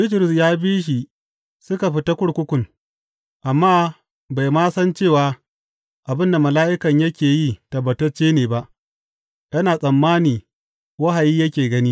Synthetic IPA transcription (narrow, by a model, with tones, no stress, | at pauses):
bɪ˦tɾʊ˨sjaː˦biː˦ʃ̬i˨ | sʊ˦ka˨ɸɪ˦ta˦kʷʊ˦ɽkʷʊ˦kʷʊ˨ŋ | ʔa˨mːaː˦ | ba˨jmaː˦sɐ˦nt͡ʃeː˦˨waː˦ | ʔa˨bɪ˦nda˨mɐ˨laː˦ʔɪ˦kɐ˨ɲjɐ˦kʲeː˨jiː˦˨tɐ˨bːɐ˨tɐ˦t͡ʃːeː˦neː˨ba˦ʔ | jɐ˦naː˨sʼɐ˨mːaː˦niː˨ | wɐ˦ɦa˨jiː˦jɐ˦kʲeː˨ɡɐ˦ni˦